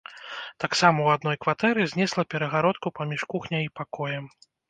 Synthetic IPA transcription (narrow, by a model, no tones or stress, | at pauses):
t̪aksamɐwad̪nɔjkvat̪ɛɾɨzʲnʲɛslˠɐpʲɛɾɐɣaɾɔt̪̚kupamʲiʂkuxnʲɐjipakɔjɐm